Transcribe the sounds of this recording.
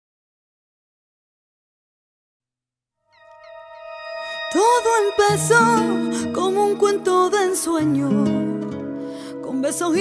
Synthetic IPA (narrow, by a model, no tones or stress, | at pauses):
t̪oðoempesokoŋuŋkwent̪oðensweɲo | kombesoŋi